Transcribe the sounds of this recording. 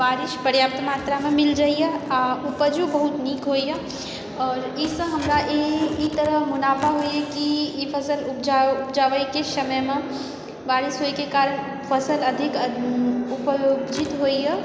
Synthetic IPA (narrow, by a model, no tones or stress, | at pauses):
ʋaːɾɪʃpəɾjaːp̚t̪maːt̪ɾamemɪld͡ʒaːijeaupəd͡ʒubəɦut̪niːkɦoijɛ | ɔːɾisə̃ɦəmɾaʔeit̪əɾəɦmʊnaːpʰaɦoiɦɛkiipʰəsəlupd͡ʒaʊpd͡ʒaːʋəjkesəməjmẽ | ʋaːɾɪsɦoikekaːɾən | pʰəsələd̪ʱik | upəjoɡd͡ʒit̪ɦoiɦɛ